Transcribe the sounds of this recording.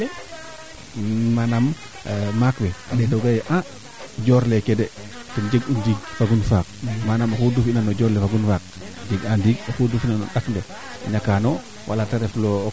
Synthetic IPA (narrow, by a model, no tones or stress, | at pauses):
manam | makwɛa̰ɗɛtoɡajʔã | d͡ʒɔɾlɛkɛdɛ | tɔnd͡ʒəɡundiːɡ̚faɡunfak̚manamaxudufinanɔd͡ʒɔɾlɛfaɡunfak̚ | d͡ʒəɡandiɡ̚axudufinanɔ̰ɗakndɛ | a̰ɲakanɔ | wʔa̰lataɾɛflɔ